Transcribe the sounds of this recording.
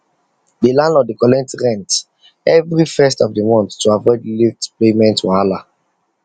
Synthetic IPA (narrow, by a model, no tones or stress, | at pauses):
delãnɔdikɔlɛ̃ntɹɛ̃nt | ɛvɹifɛstɔvdimɔ̃nθːuavɔɪdliftplemɛ̃ntwãala